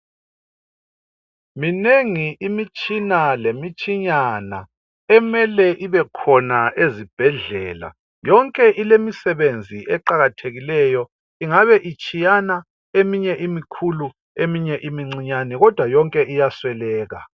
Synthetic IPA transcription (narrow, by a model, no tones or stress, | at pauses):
mineŋiʔimit͡ʃʼinalemit͡ʃʼiɲana̰ | ɛmɛlɛʔiβɛkʰɔnaʔezib̥ʱɛɮɛ̰ːla̰ | jɔŋkʼɛʔilemisɛβend͡zʱiʔɛǃaɣatʰeɣilɛjɔ | iŋaβɛʔit͡ʃʼijana | emiɲɛʔimikʰulu | emiɲɛʔimiŋ͡ǀiɲanɛɣɔd̥ʱwajɔŋkʼɛʔijaswɛlɛːɣa̰